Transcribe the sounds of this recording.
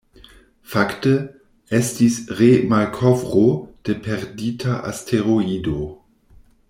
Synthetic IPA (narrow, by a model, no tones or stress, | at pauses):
faktə | ɛstisʁemalkʰɔvʁod̥epʰɛʁditʰaʔa̰stʰeʁoido